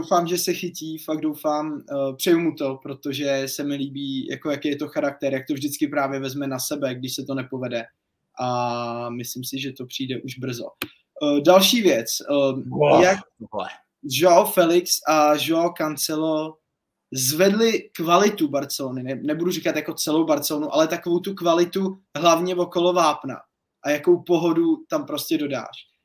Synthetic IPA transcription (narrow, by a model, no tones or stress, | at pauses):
dowfaːmʒɛsɛxɪciːfaɡ̚dowfaːmpr̝̥ɛjumut̪o̞pɾo̞t̪o̞ʒɛsɛmɪliːbiːjʔa̰ko̞jakɛjɛt̪o̞xaɾak̚t̪ɛɾjak̚t̪ovʒdɪt͡skɪpɾaːvjɛvɛzmɛnasɛbɛɡdɪʃsɛt̪o̞nɛpo̞vɛdɛ | ʔamɪslɪmsɪʒɛt̪o̞pr̝̥iːdɛʔuʒbr̩zo̰ | dalʃiːvjɛt͡s | jak̚ɛ̰ | ʒofɛlɪksʔaʒokant͡sɛlo | zvɛdlɪkvalɪt̪ubaɾt͡sɛlonɪnɛnɛbudurikat̪jako̞t͡sɛlowbaɾt̪t͡sɛloːnuʔalɛt̪akovowt̪ukvalɪt̪u | ɦlavɲɛvo̞ko̞lo̞vaːpna̰ | ʔajakowpo̞ɦodut̪ampɾo̞scɛdo̞da̰ːr̝̥